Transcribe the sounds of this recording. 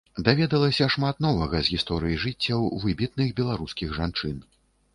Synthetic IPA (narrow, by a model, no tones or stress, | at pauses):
d̪avʲɛd̪ɐlˠɐsʲɐʂmat̪nɔvɐɣɐzɣʲist̪ɔɾɨjiʐɨt͡sʲːɐwvɨbʲit̪̚nɨxbʲɛlˠaɾuskʲiɣʐant͡ʂɨn